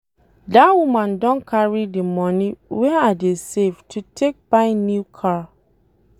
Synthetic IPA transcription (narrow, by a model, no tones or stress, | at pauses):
dawumãndɔ̃nkʰaɹidimɔ̃niwɛadesevtʰutʰek̚b̥ãɪ̃njukʰa